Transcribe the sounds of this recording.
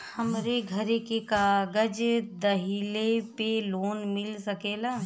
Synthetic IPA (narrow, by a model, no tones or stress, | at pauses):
hɐmɾeɡʱɐɾekekaːɡəd͡ʒd̪ɐɦilepeloːnmɪlsɐkeːlaː